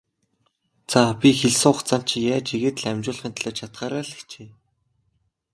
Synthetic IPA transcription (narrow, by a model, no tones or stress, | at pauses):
t͡sʰapʲixeɮsɘ̆ŋʊχt͡sam̥t͡ɕʰijaːt͡ɕiɣeːt̪ɮæmʲt͡ɕʊːɮχʲĭnt̪ʰɮɔːt͡ɕʰat̪χaːɾaːɮkt͡ɕʰeː